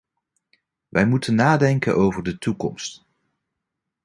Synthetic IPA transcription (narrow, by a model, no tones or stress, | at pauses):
ʋʔɛjmutənːaːdɛŋkə̰nʔowvəɹdətukɔ̰mst